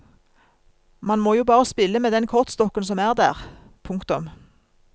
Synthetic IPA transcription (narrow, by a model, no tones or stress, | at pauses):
mɑnmoːjuːbɑːʁəspɪlːəmeːd̪ɛnkʰɔʁt̪st̪ɔkənsɔmæːʁd̪æ̰ːʁ | pʰʊŋkt̪ʊm